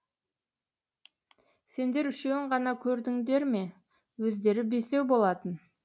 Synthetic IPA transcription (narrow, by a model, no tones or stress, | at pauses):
se̞nd̪e̞ɾʏʃeɪɴʁɑnɑkʲʰɵɾd̪ɪŋd̪e̞ɾme̞ | wɵzd̪e̞ɾɪbe̞se̞wbo̞lˠɑt̪ən